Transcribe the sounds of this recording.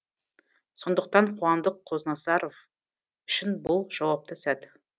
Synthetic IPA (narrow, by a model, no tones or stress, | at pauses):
so̞nd̪əq̚t̪ɑɴqʰuɑnd̪əqʰːo̞znɑsɑɾo̞v | ʏʃɪnbʊlˠʒ̥ɑwɑp̚t̪əsæt̪